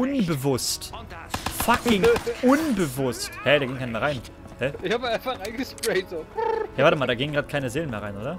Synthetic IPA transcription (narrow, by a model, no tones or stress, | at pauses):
ʊnbəvʊst | fakɪŋʔʊnbəvʊsthɛdaːɡɪŋkaɪnəmeɐʁaɪn | hɛɪçhaːbəaɪnfaχaɪnɡəspletz̥ojaːvaːtəmaːldaːɡɪːŋənɡʁaːt̚kʰaɪnəzeːlən̩meːɐʁaɪnʔoːdɐ